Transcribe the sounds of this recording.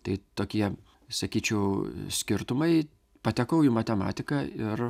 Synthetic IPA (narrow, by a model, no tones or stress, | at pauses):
t̪ɐɪt̪oːkʲiɛ | sɐkʲiːt͡ʃʲɛʊsʲkʲɪɾt̪ʊmɐɪ | pɐt̪ʲɛkɐʊjɪmɐt̪ʲɛmɑ̰ːt̪ʲɪkɑɪr